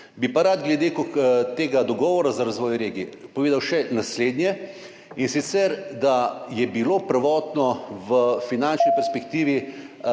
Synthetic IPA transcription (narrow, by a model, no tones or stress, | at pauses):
bipaɾad̪ɡlɛd̪ekokt̪eːɡad̪ɔɡɔːʋɔɾazaɾazʋɔːjɾeːɡipoʋeːd̪awʃɛnasleːd̪njɛ | insit̪sɛɾd̪ajɛbiloːpɾʋɔːt̪nɔʋəfinant͡ʃnipɛɾspɛkt̪iːʋi